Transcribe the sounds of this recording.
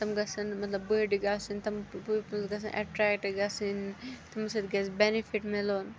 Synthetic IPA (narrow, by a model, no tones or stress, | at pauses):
t̪ɐmɡɐsɐnmɐt̪lɐbbəːɖiɡaːsint̪ɐmɐɡɐs̬ɐ̰nʔɐ̰ʈɾɛːkʈiɡaːsint̪ɐmɐsɐd̪ɡɛsbenifʰiʈmeloːn